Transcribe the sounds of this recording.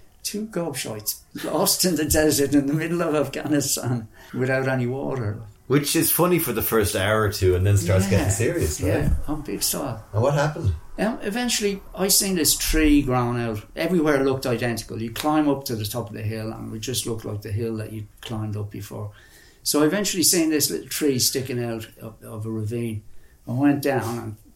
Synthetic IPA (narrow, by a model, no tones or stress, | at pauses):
tʰʉɡɔb̥ʃa̰ɪtslɔ̰stɨ̃nðɨdɛzə˞ɾɨ̃nðəmɪdl̩ˠʌvafɡ̥a̰nɨstãn | wɪðaʊɾɛniwɔ̰ɾə˞ | wɪt͡ʃɪz̥fʌnifə˞ðəfɜ˞staʊə˞tʰʉə̃nðɨ̃nstɑɹtsɡɛɪ̃ŋsɪɹiɨslæãɪ̃mbɪɡ̥staɪə̃nwʌt̚ɦæpə̃n̩d̥ʌmɪvɛ̃nt͡ʃl̩ˠi | aɪsĩnðɪstʰɹ̥iːɡɹãʊ̃naʊtʔɛvɹiwɛɹlʊk̚taɪdɛ̃ntɪ̥kə̰lˠjɨkʰl̥ãɪ̃mʌp̚tʰəðətʰɔpʌvðɨɦɪlˠə̰̃nwid͡ʒʌstˡlʊktʰˡla̰ɪk̚ðɨɦɪlˠðə̰t͡ʃɨkʰl̥ãɪ̃mdʌp̚b̥ɨfɔ̰ːɹ | soʊaɪɨvɛ̃nt͡ʃul̩ˠisĩnðɪslɪ̰tl̩ˠtʰɹ̥iːstɪkɪ̃ŋaʊɾʌʌvəɹəvĩːn | ãɪwɛ̃nd̥ãʊ̃nə̰̃n